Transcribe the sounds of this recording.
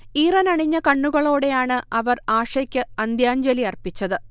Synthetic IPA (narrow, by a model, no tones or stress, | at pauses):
iːrɐnɐɳiɲːɐkɐɳːuɣɐɭo̞ːɽe̞jaːɳɨɐʋɐraːʂɐkʲːɨɐnd̪jaːɲd͡ʑɐliɐrpit͡ɕːɐðɨ